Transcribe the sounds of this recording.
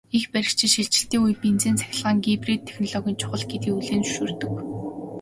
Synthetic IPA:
ixpæɾʲɪ̆kt͡ɕʰɪ̆ʃiɬt͡ɕɪ̆ɬt̪iːŋujpent͡seːnt͡sæ̥xʲɪ̆ɮʁaːŋɡipret̪ʰːexnɔɮɔɣʲĭːnt͡ɕʰʊ̥χə̆ɮɡet̪iːuɮeːnu̥ʃuːrt̪ɵ̆k

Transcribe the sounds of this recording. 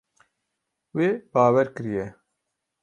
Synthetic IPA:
weːbaːwɛɾkɨɾijɛ

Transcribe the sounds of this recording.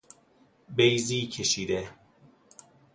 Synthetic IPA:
bejziːcʰeʃiːd̪e

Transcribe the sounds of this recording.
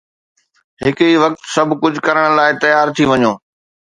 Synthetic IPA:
ɦɪkiʋɐk̚t̪sɐbʱkʊd͡ʑʱkɐɾəɽ̃laːɪt̪ɐjaːɾt̪ʰiʋɐɲoː

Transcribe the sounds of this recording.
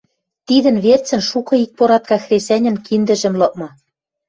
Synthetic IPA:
t̪id̪ɘ̆nβert͡sɘ̆nʃukɤ̆ik̚poɾɑt̪̚kɑxrʲesʲænʲɘ̆nkind̪ɘ̆ʒɘ̆mlɤ̆k̚mɤ̆

